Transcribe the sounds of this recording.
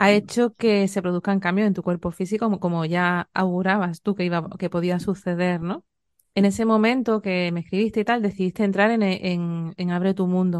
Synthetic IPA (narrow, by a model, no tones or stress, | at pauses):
ae̞t͡ʃoke̞se̞pɾo̞ðukaŋkambjoe̞nt̪ukwe̞ɾpo̞fis̬ikoko̞moʝaawɣuɾaβast̪ukeiβake̞po̞ðiasuθe̞ð̞e̞ɾno̞ | e̞ne̞se̞mõ̞mẽ̞nt̪oke̞meskɾiβist̪e̞it̪ald̪e̞θiðist̪ent̪ɾaɾeneʔeŋeŋaβ̞ɾe̞t̪umũnd̪o